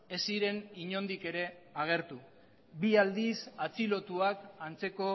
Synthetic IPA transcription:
e̞siɾe̞niɲo̞nd̪ike̞ɾe̞aɣ̞e̞ɾt̪u | biald̪isat͡silo̞t̪uakant͡se̞ko̞

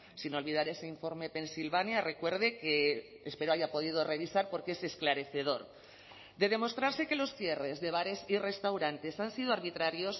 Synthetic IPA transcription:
sino̞lβiðaɾe̞se̞iɱfo̞ɾme̞pe̞nsilβanjare̞kwe̞ɾðekeː | spe̞ɾoaʝapo̞ð̞ið̞o̞re̞β̞isaɾpo̞ɾkee̞se̞sklaɾe̞θe̞ð̞o̞ɾ | d̪e̞ð̞e̞mo̞st̪ɾaɾse̞ke̞lo̞sθje̞re̞zðe̞β̞aɾe̞sire̞st̪awɾant̪e̞sansið̞oaɾβit̪ɾaɾjo̞s

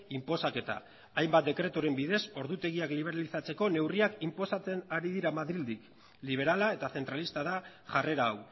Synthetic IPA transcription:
impo̞sake̞t̪a̰ː | ajmbat̪̚d̪e̞kɾe̞t̪oɾe̞mbiðe̞so̞ɾðut̪e̞ɣ̞iakliβ̞e̞ɾalisat͡se̞ko̞ne̞wriakimpo̞sat͡se̞naɾiðiɾamaðɾild̪ik | liβ̞e̞ɾalae̞t̪aθe̞nt̪ɾalist̪aða | ʝare̞ɾaːw

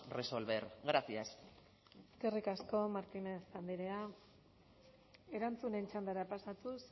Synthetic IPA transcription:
resolβeɾɣɾasias | eskerikasko̞maɾt̪inesand̪iɾe̞a | e̞ɾant͡sune̞nt͡ʃand̪aɾapasat̪us

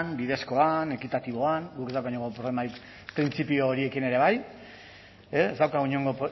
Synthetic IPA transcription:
nbiðe̞sko̞ane̞kit̪at̪iβo̞anɡukezðawkauɲo̞ŋɡopɾolemai | pɾint͡sipio̞ːɾie̞kine̞ɾe̞β̞aj | eezd̪awkauɲo̞ŋɡo̞p

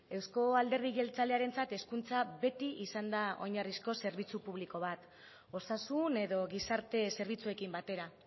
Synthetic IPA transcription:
e̞wsko̞ald̪e̞ɾðiɣe̞lt͡sale̞aɾe̞nt͡sat̪e̞skunt͡saβe̞t̪iʔisand̪ao̞̰ɲarisko̞se̞ɾβ̞it͡supuβliko̞β̞at̪ | o̞sasune̞ðo̞ɣisaɾt̪e̞se̞ɾβ̞it͡sue̞kimbat̪e̞ɾa

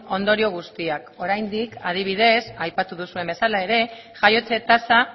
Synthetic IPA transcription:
o̞nd̪o̞ɾio̞ɣ̞ust̪iako̞ɾajnd̪ikað̞iβ̞ið̞e̞sajpat̪uðusue̞mbe̞salae̞ɾe̞ | ʝajo̞t͡se̞t̪asa

